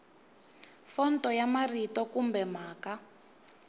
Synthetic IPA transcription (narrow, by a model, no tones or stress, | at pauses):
fɔntɔjamaritɔkumbɛmaːka